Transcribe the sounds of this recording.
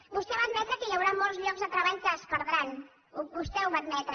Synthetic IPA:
bust̪ɛβad̪mɛt̪ɾəkəjawɾamɔlˠzʎɔɡzðət̪ɾəβaʎkəːspəɾðɾan | bust̪ɛuβad̪mɛt̪ɾə

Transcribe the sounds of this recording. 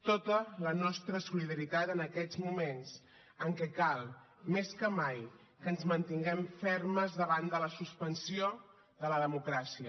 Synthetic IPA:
t̪ot̪ələnɔst̪ɾəsuliðəɾit̪at̪ənəkɛd͡zmumenz | əŋkɛkalˠ | meskəmaj | kəːnzmənt̪iŋɡɛmfɛrməzðəβand̪ələsuspənsio | ðələðəmukɾasiə

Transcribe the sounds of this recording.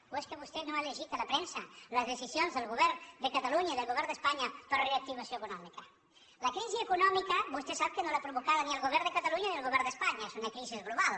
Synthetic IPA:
weskəβust̪enoaʎeʒit̪alapɾensɐləzðesisjonzðelˠɣuβɛɾd̪əkat̪aluɲaiðelɣoβɛɾnd̪espaɲapəɾreak̚t̪iβasjoekunɔmikɐ | lakɾiziekunɔmikabust̪esapkənolapɾuβukaðaniəlˠɣuβɛɾnd̪ekat̪aluɲaniðlɣoβɛɾnd̪espaɲasunakɾizizɣluβal

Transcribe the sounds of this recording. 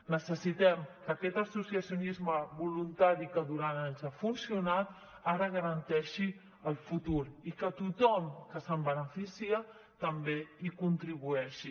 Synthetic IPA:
nəsəsit̪ɛmkəkɛt̪əsusiəsjunizməβulunt̪aɾikəðuɾanaɲzafunsiunat̪̚ | aɾəɣ̞əɾənt̪ɛʃi | əlˠfut̪uɾikət̪ut̪ɔmkəsəmbənəfisiə | t̪əmbeikunt̪ɾiβuɛʃi

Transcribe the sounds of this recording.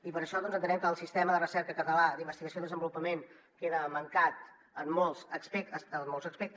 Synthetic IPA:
ipəɾəʃɔðɔnzənt̪ənɛmkəːlˠsist̪ɛməðərəsɛɾkəkəɾnəlad̪imbəst̪iɣəsiodðəzəmbulupəmen | keðəməŋkat̪ | əmːɔlˠzəkspeəəmːolzəkspɛk̚t̪

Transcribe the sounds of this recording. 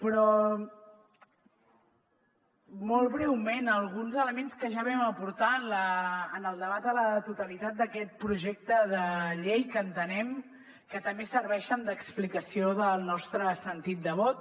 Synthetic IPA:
pɾɔ | mɔlˠβɾɛwmenəlˠɣ̞unzələmenskəʒaβɛməpuɾt̪aənləːnəlˠd̪əβ̞at̪̚d̪ələt̪ut̪əlit̪at̪̚d̪əkɛt̪̚pɾuʒek̚t̪əðəʎejkəːnt̪ənɛm | kət̪əmbesəɾβɛʃənd̪əksplikəsioðəlˠnɔst̪ɾəsənt̪it̪̚d̪əβɔt̪̚

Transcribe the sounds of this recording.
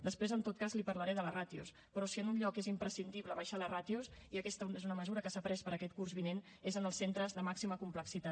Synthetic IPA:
d̪əspɾezənt̪ot̪̚kazlipəɾləɾeðələrat̪ius | pɾɔsiənunʎɔkezimpɾəsind̪iβləβaʃalərat̪iusiəkɛst̪əezunəməzuɾəkəsapɾɛspəɾəkɛt̪̚kurzβinen | ezənəlˠsent̪ɾəzðəmaksiməkumpləksit̪at̪

